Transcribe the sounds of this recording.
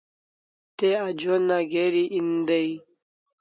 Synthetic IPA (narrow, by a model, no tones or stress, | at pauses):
t̪ead͡ʑonaɡeɾiʔind̪əi